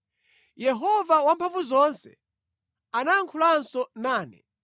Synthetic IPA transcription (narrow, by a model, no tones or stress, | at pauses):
jɛɦɔvawampʰaɱvuzɔnsɛ | anaŋkʰulansɔnaːnɛ̰